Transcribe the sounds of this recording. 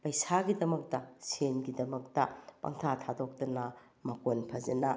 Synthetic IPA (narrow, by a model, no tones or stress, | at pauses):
pɐjsaɡidɐmɐk̚tɐsenɡidɐmɐk̚tɐpɐ̰ŋtʰatʰadok̚tɐnɐ | mɐkonpʰɐzɐnɐ